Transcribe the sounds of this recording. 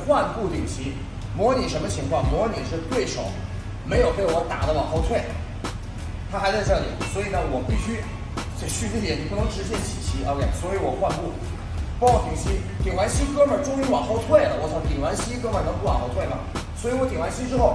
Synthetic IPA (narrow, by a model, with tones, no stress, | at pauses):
xwa˥˧npu˥˩t̪i˨˩ŋɕʰi˧˥ | mwɔ˧˥ni˨˩ʂə˧˥nmə˧t͡ɕʰi˧˥ŋkʰwɑ˥˩ŋmwɔ˧˥ni˨˩ʂɻ̩˥˧t̪we˥˩ɪʂo˨˩˦ʊ | me˧˥ɪjo˨˩ʊt̪e˥˩˧wɔ˧˥t̪a̰˨˩d̪ə˦wɑ˨˩ŋxo˧˥ʊt̪ʰwe˥˩ɪ | t̪ʰa˥xa˧˥ɪt͡sa˥˧ɪʈ͡ʂɤ˥˩lḭ˨˩˦swɔ˧˥i˨˩nə˧wɔ˨˩pi˥˩ɕy˥ | t͡ɕe˥˧ɕy˥˧˩u˥jɛ˧˥˩ni˨˩pu˥˩nɤ˧˥ŋʈ͡ʂɻ̩˧˥ɕjɛ˥˩nt͡ɕʰi˨˩t͡ɕʰi˧˥ʔə̰˧˥kʰe˥˩ɪswɔ˧˥i˧˥wɔ˨˩xwa˥˧npu˥˩ | pɔ˥ŋwɔ˧˩t̪i˨˩ŋɕi˥ | t̪i˨˩ŋwa˧˥nɕi˥kɤ˥mə˞˨˩ʈ͡ʂʊ˥ŋy˧˥wɑ˨˩ŋxo˧˥ʊt̪ʰwe˥˩ɪlə˩wɔ˧˥˩ʂʰt̪i˨˩ŋwa˧˥nɕi˥kɤ˥mə˨˩nɤ˧˥ŋpu˥˩w̰nxʊt̪ʰwe˥˩ɪmɐ˩swi˧˥wɔ˧˥t̪̬i˨˩ŋwa˧˥nɕi˥ʈ͡ʂɻ̩˥xo˥˩ʊ